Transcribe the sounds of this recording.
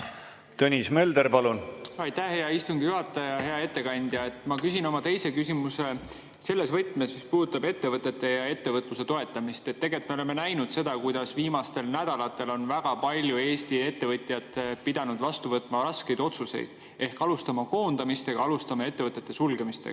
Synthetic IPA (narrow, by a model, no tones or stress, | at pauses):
t̪ønʲismeld̪erpɑlunɑjt̪ːæhheɑist̪uŋɡ̥ijuɦɑt̪ːˑɑjɑɦe̞ɑe̞t̪ːe̞kɑnʲd̪̥jɑe̞t̪ːˑmɑkysino̞mɑt̪e̞jse̞kysimuse̞ | se̞lːe̞svɤt̪ːˑmesmispuːd̪ut̪ːˑɑbe̞t̪ːe̞vɤt̪ːˑe̞t̪ːˑe̞jɑe̞t̪ːevɤt̪ˑluse̞t̪o̞e̞t̪ːˑɑmist̪e̞t̪ːe̞ɡ̥et̪me̞ole̞me̞næjnud̪̥se̞d̪ɑkujd̪̥ɑsviːmɑst̪e̞lnæd̪̥ɑlɑt̪ːˑe̞lo̞nvæɡ̥ɑpɑlʲjue̞ːst̪ie̞t̪ːe̞vɤt̪ʲˑjɑt̪ːˑpid̪̥ɑnud̪̥vɑst̪uvɤt̪ːˑmɑɾɑske̞jd̪o̞t̪suse̞̰jd̪̥ | e̞hkɑlust̪ɑmɑko̞ːnd̪̥ɑmist̪e̞ɡ̥ɑɑlust̪ɑmɑe̞t̪ːevɤt̪ːˑe̞t̪ːe̞sulɡe̞mist̪ḛ̥ɑ